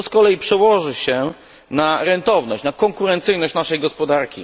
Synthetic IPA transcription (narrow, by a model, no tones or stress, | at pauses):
ɔskɔlɛjipʂɛwɔʐɘɕɛ | naɾɛnt̪ɔvnɔ̰ɕt͡ɕnakɔŋkuɾɛnt̪sɘjnɔɕt͡ɕnaʂɛjɡɔspɔd̪aɾkʲḭ